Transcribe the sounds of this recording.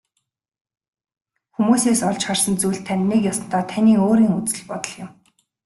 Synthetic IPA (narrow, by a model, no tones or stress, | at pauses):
xumuːseːsɔɮt͡ɕχarsə̆nt͡sujɮt̪ʰænːekjasə̆n̥t̪ɔːt̪ʰaniːoːɾiːŋut͡sɘ̆ɮpɔt̪ə̆ɮjɪ̆m